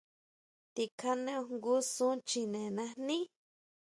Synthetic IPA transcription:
t̪i˧kʰa˧nẽ˦o˧ŋɡu˦sũ˦t͡ʃi˧nẽ˨nã˧nĩ˦

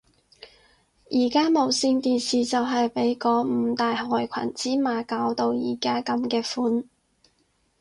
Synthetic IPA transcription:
jʔiː˨˩kaː˥mo˨˧wsiː˧nt̪iː˨nsiː˨˩t͡sɐ˨wɦɐ˨jpe˨˥jkɔː˨˧˥m̩ː˨˧t̪aː˨jhɔː˨jkʷʰɐ̰˨˩nt͡siː˥maː˨˧kaː˨˥wt̪o˨wjḭː˨˩kaː˥kɐ˨˥mkɛː˧fuː˧˥n

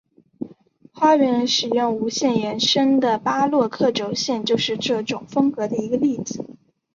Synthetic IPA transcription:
xwa˥ɥɛ˧˥n˧ʂɻ̩˨˩jʊ˥˩ŋu˧˥ɕjɛ˥˩njɛ˧˥nʂə˥ŋd̪ə˨pa˥lwɔ˥˧kʰɤ˥˩ʈ͡ʂo˧˥ʊɕjɛ˥˧nt͡ɕjo˥˧ʊʂɻ̩˥˧ʈ͡ʂɤ˥˩ʈ͡ʂʊ˨˩ŋfɤ˥ŋkɤ˧˥d̪ə˧i˧˥ɡə˧li˥˩d͡zɹ̩˨˩˦

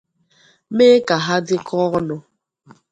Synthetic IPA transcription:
me˦ka˨ɦa˦dɪ˦kʰɔ˦ɣnɔ˨

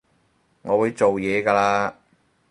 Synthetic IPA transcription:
ŋɔː˨˧wu˨˧jt͡so˨wjɛː˨˧ɡaː˧laː˧

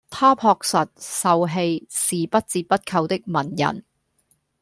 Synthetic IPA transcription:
t̪ʰaː˥pʰɔː˧k̚sɐ˨t̚sɐ˨wɦe˧jsiː˨pɐ˥t̚t͡siː˧pɐ˥t̚kʰɐ˧wt̪ɪ˥k̚mɐ˨˩njɐ̰˨˩n

